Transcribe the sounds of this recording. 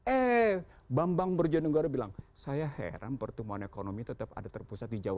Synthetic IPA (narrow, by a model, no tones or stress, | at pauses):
ɛ | bambaŋbərd͡ʒanəɡaɾabilaŋsajaɦḛɾa̰npərt̪əmuanekonomit̪ət̪əpa̰dat̪ərpusat̪̚did͡ʒawa